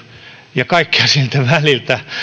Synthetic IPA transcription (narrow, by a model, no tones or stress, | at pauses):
jɑkɑikːiɑsilt̪æʋælilt̪æ